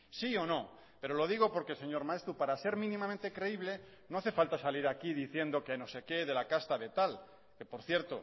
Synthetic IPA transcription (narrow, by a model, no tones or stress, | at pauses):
sio̞no̞ | pe̞ɾo̞lo̞ð̞iɣ̞o̞po̞ɾkese̞ɲo̞ɾmae̞st̪ɾupaɾase̞ɾmĩnĩmãmẽnt̪e̞kɾe̞iβ̞le̞ | no̞aθe̞falt̪asaliɾakiðiθje̞nd̪o̞keeno̞se̞ke̞ðe̞lakast̪aβe̞t̪al | ke̞po̞ɾθje̞ɾt̪o̰